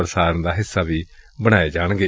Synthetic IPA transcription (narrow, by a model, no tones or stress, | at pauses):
əɾsaːɾənd̪aːɦɪsːaːʋiːbəɽ̃aːeːd͡ʒaːɳɡeː